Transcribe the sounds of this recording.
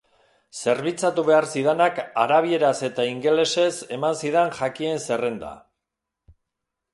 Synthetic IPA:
se̞ɾβit͡sat̪uβe̞aɾsið̞enakaɾaβie̞ɾase̞t̪aiŋɡe̞le̞se̞se̞mansiðenʝakie̞nse̞re̞nd̪a̰

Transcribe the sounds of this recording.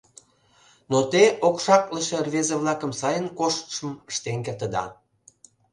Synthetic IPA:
not̪eokʃɑkləʃerβezeβlɑkəmsɑjənkoʃt̪ə̥ʃəməʃt̪eŋkert̪əd̪ɑ̰

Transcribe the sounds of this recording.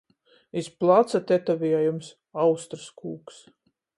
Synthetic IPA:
isplˠat̪sat̪ɛt̪avʲiɛjums | awst̪ɾskuːks

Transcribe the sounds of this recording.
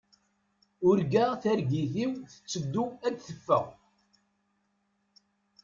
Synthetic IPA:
ʊɾɡaθæɾɡiθiwθə̥t͡sːəd̪ːuæd̪θəfːə̰ʁ

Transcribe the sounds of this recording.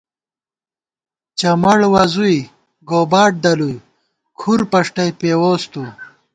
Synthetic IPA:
t͡ɕɐmɐɽwɐzuj | ɡoːbaːʈ̚d̪ɐluj | kʰuɾpɐʂʈɐjpeːwoːst̪u

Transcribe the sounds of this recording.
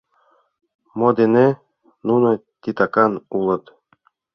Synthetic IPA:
mod̪ene | nunŏ | t̪ʲit̪ɑkɑnulˠɤ̆t̪

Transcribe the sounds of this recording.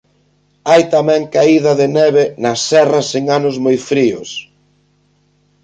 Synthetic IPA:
ajt̪amɛ̃ŋkaiðɐðɪnɛβenɐsɛrɐseŋanʊzmojfɾiʊs

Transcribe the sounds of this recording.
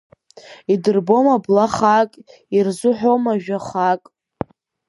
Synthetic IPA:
idɨrbomablaχakʼ | irzʊħʷᶣomaʒᶣaχakʼ

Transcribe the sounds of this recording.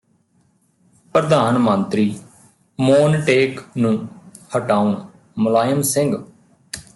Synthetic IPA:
pɾəd̪aːnmənt̪ɾiː | moːnʈeːknũː | həʈaːuɳ | mʊlaːjəmsɪ̃ŋɡ

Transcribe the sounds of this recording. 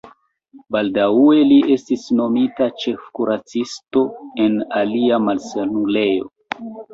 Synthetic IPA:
baldaue̞liʔe̞stisno̞mitat͡ʃe̞fkuɾat͡sisto̞e̞naliamalsanule̞jo̞̰

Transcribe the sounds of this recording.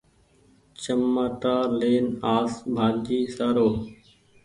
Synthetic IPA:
t͡ʃəmːaːʈaːleːnaːsbʱaːd͡ʒiːsaːɾoː

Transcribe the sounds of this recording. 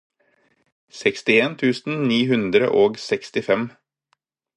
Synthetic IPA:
sɛkst̪ɪeːnt̪ʰʉːsn̩niːhʉnd̪ɾə̰ʔoːɡsɛkst̪ɪfɛm

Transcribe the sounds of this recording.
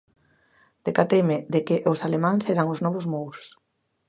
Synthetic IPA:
d̪̥ekat̪ejmɪðekɪʔʊsalemãŋseɾaŋʊznɔβʊzmowɾʊ̥s

